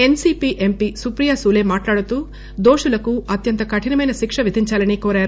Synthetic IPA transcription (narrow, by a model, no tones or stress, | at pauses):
ensiːpiːʔempisupɾijaːsuːle̞ːmaːʈlaːɽut̪uː | d̪oːʂulɐkuɐt̪jɐnt̪ɐkɐʈʰinɐmɐjnɐʃikʂɐʋid̪ʱiɲt͡ʃaːlɐnikoːɾaːɾu